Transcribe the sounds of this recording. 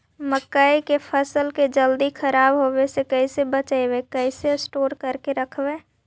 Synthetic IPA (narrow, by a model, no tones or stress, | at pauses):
məkaikepʰəsəlked͡ʒəld̪ikʰəɾaːbɦobesekəɪsebət͡ʃaebekəɪsesʈoːɾkəɾkeɾəkʰbe